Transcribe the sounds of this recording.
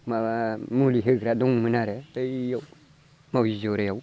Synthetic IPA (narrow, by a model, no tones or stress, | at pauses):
mamuliɦeɡɾadoŋminaɾeteijaw | mawizoɾejau